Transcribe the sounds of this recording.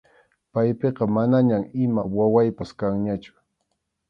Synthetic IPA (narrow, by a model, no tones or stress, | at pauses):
pajpeqɑmanaɲamɪmawawajpaskaŋɲat͡ʃʊ̥